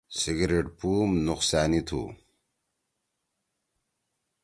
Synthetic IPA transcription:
siɡɾeʈpuːmnuqsaːnit̪ʰṵ

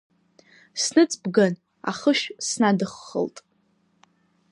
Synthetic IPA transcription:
snɨt͡sʰʼbɡan | a̰χəʃsnadɨχːə̰lˠtʼ

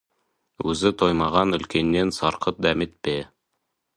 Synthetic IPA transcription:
ʉzɘt̪ojmɑʁɑnɵ̆lkenːensɑɾqɤt̪̚d̪æmɘt̪̚pe

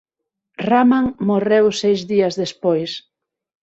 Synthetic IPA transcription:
ramaŋmorewsejzðiɐzðespojs

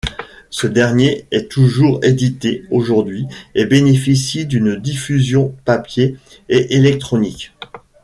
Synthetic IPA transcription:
səd̪ɛʁnjeɛt̪uʒuʁed̪it̪eoʒuʁd̪ɥiebenefisid̪ynd̪ifyzjɔ̃papjeː | ʔelɛk̚t̪χɔnikʲ

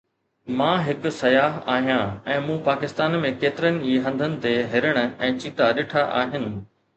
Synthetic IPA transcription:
mãːɦɪkʊ̆sɐjaːɦa̰ːɦijãːɛ̃ːmũːpaːkɪst̪aːnmẽkeːt̪ɪɾənɪ̆iːɦɐ̃nd̪ʱənɪ̆t̪eɦɪɾəɽ̃ə̆ɛ̃ːt͡ɕiːt̪aɗɪʈʰaʔa̰ːɦɪnɪ̆

